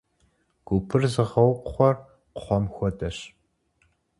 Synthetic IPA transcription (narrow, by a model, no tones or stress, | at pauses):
ɡ̥ʷupʰɨrzɨʁɐwqʷʊχʷɔr | qʷʊ̥χʷɔmxʷɔdɐɕ